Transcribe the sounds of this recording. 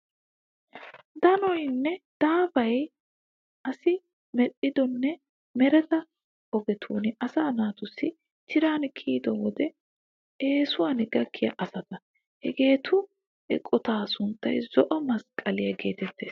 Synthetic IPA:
d̪ɐnɔjnːɛd̪̥aːfɐj | ʔɐsɪ | mɛɗːɪd̪ɔnːɛ | mɛɾɛt̪ɐ | ɔbɛt̪ʰuːnɪɐsaːnaːt̪ʊsːɪ | t̪ʰɪɾaːnkʰiːd̪ɔwɔd̪ɛ | e̞ːsʊwaːnɪɡɐkʰːɪjɐʔɐsɐt̪ɐ | hɛɡe̞ːt̪ʰʊ | ɛ̰kʼɔt̪aːsʊnt̪ːɐjzɔʔɔmɐskʼɐlɪjɐɡe̞̰ːt̪ɛt̪ːe̞̰ːs

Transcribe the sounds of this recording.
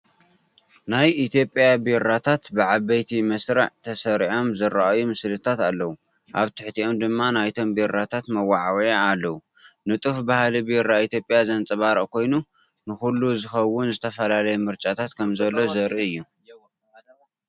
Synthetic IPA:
najit̪ʰijo̞pʼjabiɾat̪ʰat̪bɨʕaβɐjt̪ʰimɐsɾɨʕt̪ʰɐsɐɾʕo̞mzɨɾaʔajumɨslɨt̪ʰat̪alːɐwu | ʔaβt̪ʰɨħt̪ʰiʔo̞md̪ɨmːanajt̪ʰo̞mbiɾːat̪ʰat̪mɐwaʕawjaalːɐwu | nɨt̪ʼɨfbahlibiɾait̪ʰjo̞pʼjazɐnt͡sʼɨβaɾɐʔkʰo̞jnu | nɨxulːuzɨxɐwʊnzɨt̪ʰɐfɐlalɐjɛmɨɾt͡ʃʼat̪ʰat̪kʰɐmzɐlːo̞zɐɾiɨjːu

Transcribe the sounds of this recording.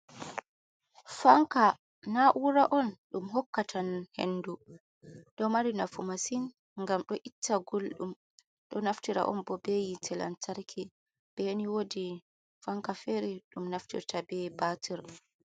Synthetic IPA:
faŋka | naʔuɾaʔɔnɗumɦɔkːatʰanhḛnːdu | ɗɔmaɾinafumasin | ŋɡamɗɔʔitʰːaɡolɗum | ɗɔnaftiɾa̰ʔɔ̰nbɔbejitʰɛla̰ntʰaɾkʰi | b̥ɛniwodi | faŋkafɛɾiɗumnaftḭɾtabɛbatʰiɾ

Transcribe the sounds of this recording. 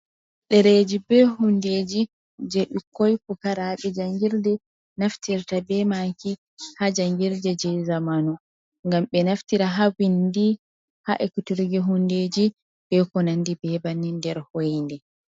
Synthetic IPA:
ɗɛɾed͡ʒibɛɦundeːd͡ʒi | d͡ʒɛʔikːojkukaɾaɓɛd͡ʒaŋɡiɾdɛ | naftiɾtabɛmaki | had͡ʒaŋɡiɾdɛd͡ʒɛzamanɔ | ŋɡamɓɛnaftiɾaɦawindi | ha̰ʔɛkutiɾɡɛɦunded͡ʒi | b̥ɛkɔnandibɛbanindɛɾhojndɛ

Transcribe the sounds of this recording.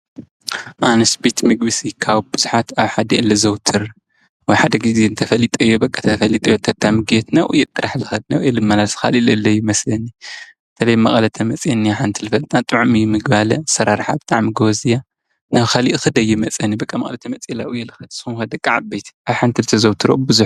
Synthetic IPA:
ʔanɐsbet̪mɨɡbɨsikʰaβbɨzu̥ħat̪aβħad̪ɐɨlːɐzɐwt̪ʰɨɾ | wɔjħad̪ɐɡizeɨnt̪ʰɐfɐlit̪ʼɨjːobɐkʼːɐt̪ʰɐfɐlːit̪ʼɐjot̪ʰɐt̪ʰːamɨɡet̪nɐwʔujːɛt̪ʼːɨɾaħlɨxɐd̪nɐ̰wjɛlɨmːɐlasxa̰lilɨlːɐjːumɐslɐni | t̪ʰɐlɐjmɐχʼɐlɐt̪ʰɐmɐt͡sʼenːiaħant̪ʰɨlɨfɐlt̪ʼnat̪ʼɨʕmijmɨɡbalɐsɐɾaɾħa̰bɨt̪ʼaʕmiɡozija | naβkaliʔxɨd̪ɐjːɪmɐt͡sʼɐnibɐkʼːamɐ̰χʼlɐt̪ʰɐmɐt͡sʼelaʔujːɛlɨxɐd̪sɨxumxɐd̪ɐkʼaʕabejt̪ʰʔaβħant̪ʰɨlt̪ʰɐzɐwt̪ʰɨɾo̰bɨzuħ

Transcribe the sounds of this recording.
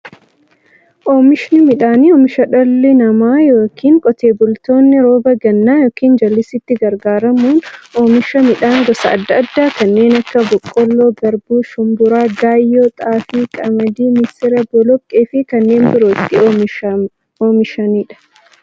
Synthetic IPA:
ʔoːmɪʃnɪmɪᶑaːniɔːmɪʃɐᶑɔlːɪnɐmaːjo̞ːkʰiːŋkʼɔt̪e̞ːbʊlt̪o̞ːnːɪɾoːbɐɡɐnːaːjoːkiːnd͡ʒɐlːɪsɪt̪ːɪɡɐɾɡaːɾɐmuːnʔoːmɪʃɐmɪᶑaːŋɡɔsɐɐ̰d̪ːɐːd̪ːaːkɐnːe̞ːnɐkːɐbɔkʼːɔlːoːɡɐɾbuːʃʊmbʊɾaːɡaːjːoːt̪ʼaːfiːkʼɐmɐd̪iːmɪsɪɾɐbɔlɔkʼːeːfɪkɐnːe̞ːnbɪɾoːɪt̪ːɪm | oːmɪʃɐniːᶑɐ̥

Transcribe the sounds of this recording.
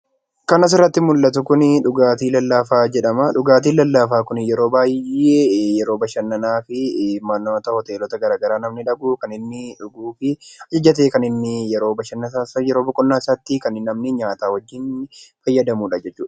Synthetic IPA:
kɐnɐs̬ɪrːɐt̪ːɪmʊlːɐt̪ʊkʊnɪᶑʊɡaːt̪iːlɐlːaːfaːd͡ʒɛᶑɐmɐᶑʊɡaːt̪̬iːlɐlːaːfaːkʊnjɛɾo̞ːbaːjeːjɛɾo̞ːbɐʃɐnːɐnaːfɪmɐnːoːt̪ɐhɔt̪eːlɔt̪ɐɡɐɾaːɡɐɾaːnɐmnɪᶑɐɡukɐnɪnːɪᶑʊɡuːfɪɐd͡ʒɐd͡ʒɐt̪̬eːkɐnɪnːɪjɛɾo̞ːbɐʃɐnːɐsasjɛɾoːbɔkʼɔnːaːsat̪ːɪkɐnɪnɐmnɪɲaːt̪aːwɐd͡ʒːɪnfɐjːɐd̪ɐmuːᶑɐd͡ʒɛt͡ʃːuːᶑɐ̥

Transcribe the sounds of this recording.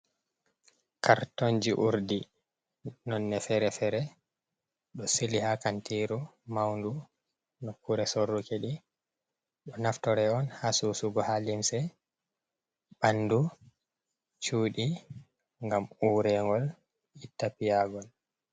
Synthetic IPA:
kaɾtoɲd͡ʒiʔuɾdi | nɔnːɛfɛɾɛfɛɾɛ | ɗɔsilihakantiɾumawndu | nɔkːuɾɛsorːukeɗi | ɗɔnaftɔɾɛɔnhasusuɡɔhalimsɛ | ɓanːdu | t͡ʃuːɗi | ŋɡamuɾɛŋɡɔl | itːapijaɡɔl

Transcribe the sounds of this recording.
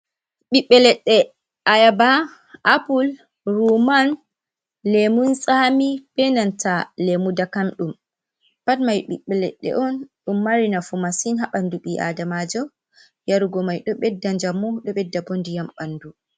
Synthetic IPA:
ɓiɓːɛlɛɗːɛ | ʔajaba | ʔapul | ɾuman | lemunsʼamipɛnantalemudakamɗum | patmajɓḭɓːɛlɛ̰ɗːɛ̰ʔɔnɗumːaɾinafumasinɦaɓanduɓiʔa̰damad͡ʒɔ | jaɾuɡɔmajɗɔɓɛdːaɲd͡ʒamːuɗɔɓɛdːabondijamɓandu

